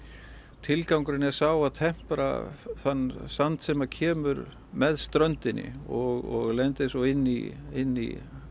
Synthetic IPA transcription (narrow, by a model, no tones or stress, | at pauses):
t̪ʰɪlkawŋkɾɪnɛ̥saːwaðt̪ʰɛm̥pɾa̰θanːsant̪sɛmacʰɛːmʏɾ | mɛðst̪ɾœnt̪ɪnːɪ̰ɔɣɔɣlɛnt̪ɪsɔɪnːḭɪnːḭ